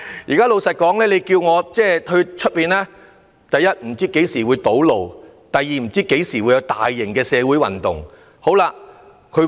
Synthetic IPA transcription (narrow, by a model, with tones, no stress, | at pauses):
jiː˨kaː˥lo˨˧wsɐ˨t̚kɔː˨˥ŋlɛː˥le˨˧jkiː˧wŋɔː˨˧t͡sɛː˥˩ɵ˧ɥt͡ʃʰɵ˥t̚piː˨nlaː˥ | t̪ɐ˨jːɐ˥t̚m̩˨˩t͡siː˥ke˨˥jsiː˨˩wuː˨˧jt̪o˨˥wlo˨w | t̪ɐ˨jːiː˨m̩˨˩t͡siː˥ke˨˥jsiː˨˩wu˨˧jɐ˧wt̪aː˨jːɪ˨˩ŋkɛː˧sɛː˨˧wuː˨˥jwɐ̰˨˩nt̪ʊ̰˨˩ŋ | ho˨˥wlaː˧ | kʰɵ˨˧